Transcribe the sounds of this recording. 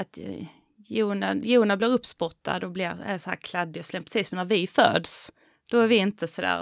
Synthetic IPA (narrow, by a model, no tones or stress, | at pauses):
at̪ | juːnajuːnablɪɾɵpːspɔt̪ʰːa̰d̪ɔblɪɾæ̰jshæ̰ːɾkʰlad̪ːɪɔslɛmpɾɛ̥siːsɛnæɾvɪfø̰ːd̪s | d̪̥ɔæɾvɪɪnt̪əsɔd̪æ̰ː